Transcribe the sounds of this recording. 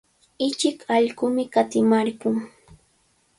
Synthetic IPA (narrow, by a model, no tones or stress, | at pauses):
ɪt͡ʃɪkɑʎɢʊmɪkat̪ɪmaɾɢʊŋ